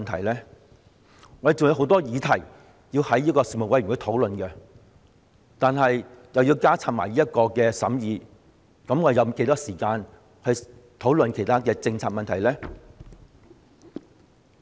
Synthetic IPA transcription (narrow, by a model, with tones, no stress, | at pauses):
nt̪ʰɐ˨˩jlɛː˥ | ŋɔː˨˧˥e˨jt͡sʊ˨ŋjɐ˨˧who˨˧˥wt̪ɔː˥jiː˨˧t̪ʰɐ˨˩j | jiː˧whɐ˨˥jːiː˥kɔː˧siː˧˩mo˨wɐ˧˥jkʰə˧t̪ʰo˨˥wlɵ˨nkɛ˧ | t̪aː˨nɦɐ˨jjɐ˨wjiː˧wkaː˥t͡sʰaː˧˨t̚ma̰ː˨˩jliː˥jɐ˥t̚kɔː˧kɛː˧sɐ˨˥mjiː˨˧ | kɐ˨˥mŋɔː˨˧de˨jɐ˧wke˨˥jt̪ɔː˥siː˨˩kaː˧n | hɐ˨˧jt̪ʰo˨˥wlə˨nkʰe˨˩jt̪ʰaː˥kɛː˧t͡sɪ˧ŋt͡sʰaː˧t̚mɐ˨nt̪ʰɐ˨˩jlɛː˥